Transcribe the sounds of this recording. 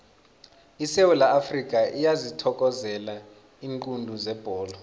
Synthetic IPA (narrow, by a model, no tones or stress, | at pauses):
isewulaʔːfrik̬ʼaʔijazitʰɔk̬ʼɔzɛla | iːŋǃʼundʱuzɛb̥ʱɔːlɔ